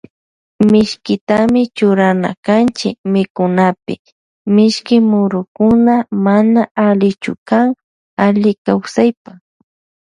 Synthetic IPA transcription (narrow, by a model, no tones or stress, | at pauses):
mɪʃkɪt̪amɪt͡ʃʊɾana̰kant͡ʃɪ̰kmɪkʊnapɪ̰ | mɪʃkɪmʊɾʊkʊnamanaalɪt͡ʃʊ̰kaŋ | aʎɪkawsajpa